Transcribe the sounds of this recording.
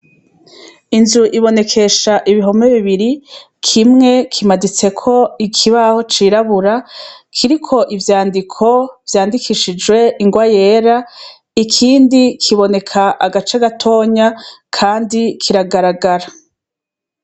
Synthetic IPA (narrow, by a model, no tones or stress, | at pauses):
inzuʔiβo̞ne̞kʰe̞ʃaʔiβiɦo̞meβiβiɾi | kʰimŋe̞kʰimadit͡se̞kʰo̞ikʰiβaho̞t͡ʃiɾaβuɾakʰiɾikʰo̞ʔivjaːndikʰo̞v̥jaːndikʰiʃid͡ʒɡwe̞ʔiŋɡwaje̞ːɾa | ikʰiːndikʰiβo̞ne̞kʰaʔaɡat͡ʃaɡatʰo̞ːɲakʰaːndikʰiɾaɡaɾaɡaɾa